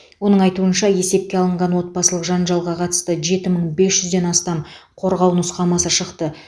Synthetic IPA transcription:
wo̞nəɴɑjt̪uənʃɑje̞se̞p̚kʲeɑlˠəɴʁɑnwo̞t̪̚bɑsəlˠəqʒɑnʒɑlˠʁɑqʰɑt̪ə̥st̪əʒe̞t̪ɪməɴbe̞sʒʏzd̪e̞nɑst̪ɑm | qʰo̞ɾʁɑwnʊsqɑmɑsəʃəqt̪ə

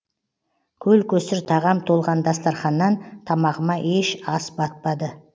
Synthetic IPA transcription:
kʲʰɵlkʲʰɵsɪɾt̪ʰɑʁɑmt̪ʰolˠʁɑnd̪ɑst̪ɑɾχɑnːɑnt̪ʰɑmɑʁəmɑʔeʃɑsbɑt̪̚pɑd̪ə

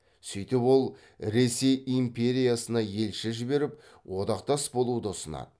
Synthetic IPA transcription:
sijt̪ɪpwo̞lˠ | ɾe̞se̞jimpʲe̞ɾijasənɑje̞lʃɪʒɪbe̞ɾɪp̚ | wʔo̞d̪ɑqt̪ɑsbo̞lˠud̪əʊsənɑ̰d̪ə

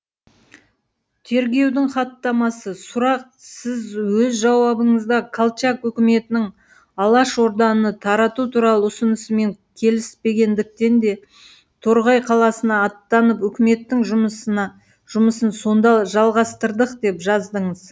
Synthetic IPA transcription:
t̪ʰe̞ɾɡʲe̞wd̪ɪŋχɑt̪ːɑmɑsəsʊɾɑq̚ | sɪzwɵzʒɑwɑbəɴəzd̪ɑkʰalˠt͡ʃɑkwɵkʲɪme̞t̪ɪnɪŋ | ɑlˠɑʃo̞ɾd̪ɑnənət̪ʰɑɾɑt̪ut̪ʰuɾɑlˠəʊsənəsəme̞ŋkʲʰe̞lɪspe̞ɡʲe̞nd̪ɪk̚t̪e̞nd̪e̞ | t̪ʰoɾʁɑjqʰɑlˠɑsənɑːt̪ːɑnəpɵkʲɪme̞t̪ːɪŋʒʊms | ʒ̥ʊməsənso̞nd̪ɑʒɑlˠʁɑst̪əɾd̪əqd̪e̞pʒɑzd̪əɴəz̥

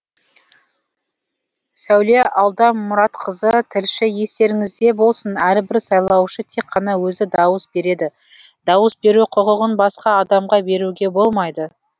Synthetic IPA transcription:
sæwleʔɑlˠd̪ɑmːʊɾɑt̪qʰəzət̪ʰɪlʃɪje̞st̪e̞ɾɪŋɪzd̪e̞bo̞lˠsənæɾbɪɾsɑjlˠɑwʃət̪ʰe̞qʰːɑnɑwɵzɪd̪ɑwəsbe̞ɾe̞d̪ɪd̪ɑwəsbe̞ɾuqʰʊʁəʁənbɑsqɑːd̪ɑmʁɑbe̞ɾuɡʲe̞bo̞lˠmɑjd̪ə

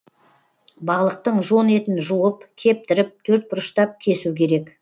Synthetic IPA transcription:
bɑlˠəq̚t̪əɴʒo̞ne̞t̪ɪnʒuwəpkʲʰe̞p̚t̪ɪɾɪp̚t̪ʰɵɾt̪̚bʊɾəʃt̪ɑp̚kʲʰe̞sukʲʰe̞ɾe̞k

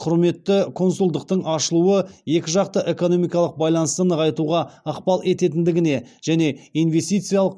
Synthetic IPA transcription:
qʰʊɾme̞t̪ːɪkʰo̞nsulˠd̪əq̚t̪əɴɑʃəlˠuwəje̞kʲɪʒɑqt̪əʔe̞ko̞no̞mijkɑlˠəq̚bɑjlˠɑnəst̪ənəʁɑjt̪uʁɑəqpɑlˠe̞t̪e̞t̪ɪnd̪ɪɡʲɪne̞ʒ̥æne̞ijnve̞st̪ijt̪sɨjalˠəq

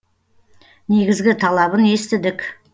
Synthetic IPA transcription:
ne̞ɡʲɪzɡʲɪt̪ʰɑlˠɑbəne̞st̪ɪd̪ɪkʲ

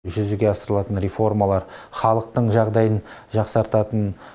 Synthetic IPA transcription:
ʒʏzɪɡʲe̞ɑsəɾəlˠɑt̪ənɾefo̞rmɑlˠɑɾχɑlˠəq̚t̪əɴʒɑʁd̪ɑjənʒɑqsɑɾt̪ɑt̪ən

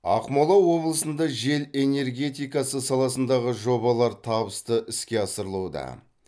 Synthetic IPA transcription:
ɑ̰qmolˠɑwo̞blˠəsənd̪ɑʒe̞le̞ne̞ɾɡʲe̞t̪ijkɑsəsɑlˠɑsənd̪ɑʁəʒo̞βɑlˠɑɾt̪ʰɑbəst̪əʔɪskʲe̞ɑsəɾəlˠud̪ɑ̰

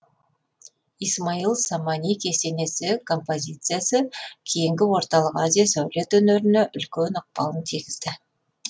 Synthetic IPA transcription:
ijsmailˠsamɑnʲijkʲʰe̞se̞ne̞sɪkʰo̞mpo̞zʲijt̪sɨjasəkʲʰe̞jɪŋɡʲɪwo̞ɾt̪ɑlˠəqazʲijasawle̞t̪ɵneɾɪneʔʏlkʲenoq̚pɑ̰lˠənt̪ʰiɡʲɪz̥d̪ɪ

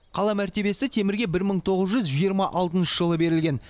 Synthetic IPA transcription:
qʰɑlˠɑmæɾt̪e̞be̞sɪt̪ʰe̞mɪɾɡʲe̞bɪɾməɴt̪ʰo̞ʁəzʒʏzʒijəɾmɑʔɑlˠt̪ənʃəʒəlˠəbe̞ɾɪlɡʲe̞n

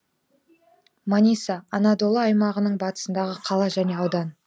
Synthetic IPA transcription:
manʲisɑːnɑd̪olˠɑːjmɑʁənəɴbɑt̪ə̥sənd̪ɑʁəqʰɑlˠɑʒæne̞ɑwd̪ɑn

